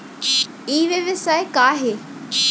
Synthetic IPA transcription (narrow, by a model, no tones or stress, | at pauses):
iːʋeʋɪsaːekaːɦe